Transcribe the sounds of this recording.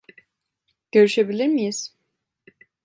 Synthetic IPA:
ɟ̥ø̞ɾyʃe̞bilʲiɾmijiz̥

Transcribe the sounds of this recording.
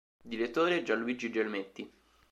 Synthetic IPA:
d̪iɾet̪ːoːɾed͡ʒalːuid͡ʒid͡ʒelmet̪ːi

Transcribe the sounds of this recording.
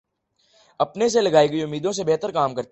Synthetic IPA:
ɐpnes̬elɐɡaːiɡəiʊmːiːd̪õs̬ebɛɦt̪əɾkaːmkɐɾt̪

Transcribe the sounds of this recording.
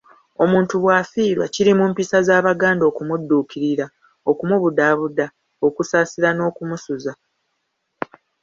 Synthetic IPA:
o̞muːntuβwaːfiːɾwa̰ciɾimuːmpisazaːβaɡaːndo̞ːkumudːuːkiɾiɾa | o̞kumuβudaːβuda | o̞kusaːsiɾano̞ːkumusuza

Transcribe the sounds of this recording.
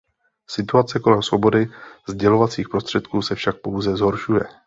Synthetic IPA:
sɪt̪uat͡sɛko̞lɛmsvo̞bo̞dɪzɟɛlo̞vat͡siːxpɾo̞st̪r̥ɛt̪kuːsɛfʃak̚po̞wzɛzɦo̞ɾʃujɛ

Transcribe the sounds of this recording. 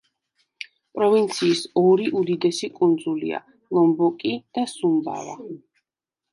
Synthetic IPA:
pʼɾɔvint̪sʰiːsɔɾiʔud̪id̪ɛsikʼund̪zulḭa̰ | lˠɔmbɔkʼid̪̥asumba̰va̰

